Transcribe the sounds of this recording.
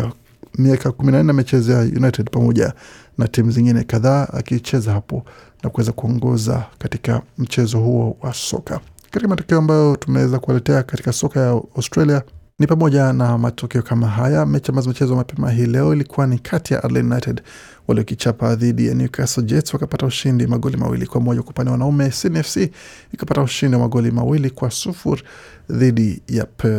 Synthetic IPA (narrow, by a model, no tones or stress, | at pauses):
miakakuminan̩ɛjamit͡ʃɛzɔjajṵnajtɛdpamɔʄa̰ | natimuziŋɡinɛkaðaːa̰kit͡ʃɛzahapɔ | nakuwɛzakuɔŋɡɔza̰kati̥ka̰m̩t͡ʃɛzɔhuɔwasɔ̰ka̰katikamatɔkɛɔambajɔtumɛwɛzakualɛtɛakati̥kasɔkajaastɾalianipamɔʄanamatɔkɛɔkamaɦajamɛt͡ʃamazimit͡ʃɛzɔmapɛmaɦiːlɛɔilikʰuwanikʰatija̰ʔa̰ɾla̰junajtɛd | waliɔkit͡ʃapaðiɗija̰njukʰasɔd͡ʒɛtswakapatauʃindimaɠɔlima̰wḭlḭkwamɔʄakupanɛwanaumɛsinɛfsiːkapatauʃindiwamaɠɔlima̰wilikwasufṵɾ | ðiɗijapɛ